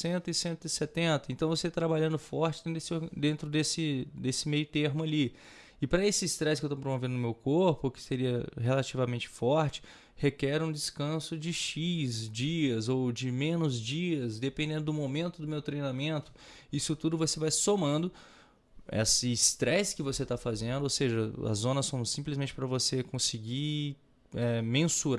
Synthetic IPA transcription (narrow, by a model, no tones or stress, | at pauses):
sẽnt̪ɪsẽnt̪ʊɪset̪ẽnt̪ɐẽnt̪ɐ̃w̃voset̪ɾabaʎɐ̃nd̪ʊfɔɾt͡ʃɪd̪̃d̪esɪod̪ẽnt̪ɾʊd̪esɪd̪esɪmejʊt̪eɾmʊali | ɪpɾɐesɪːst̪ɾɛskewt̪op̬ɾomovẽnd̪ʊʊmewkoɾpʊkɪ̥seɾiɐɦelat͡ʃivamẽnt͡ʃɪ̥fɔɾt͡ʃɪ̥ | hekɛɾũd͡ʒɪskɐ̃sʊd͡ʒɪʃizd͡ʒiɐzowd͡ʒɪmẽnʊzd͡ʒiɐsd̪epẽnd̪ẽnd̪ʊd̪ʊmomẽnt̪ʊd̪ʊmewt̪ɾejnamẽnt̪ʊ̥ | isʊt̪ud̪ʊvosevajsomɐ̃nd̪ʊ | ɛ̰sɪst̪ɾɛskɪvoset̪afazẽnd̪ʊowseʒɐɐ̰zõnɐsːõw̃msĩplɪzmẽnt͡ʃɪpɾɐvosekõsɪɡi | ɛmẽsuɾ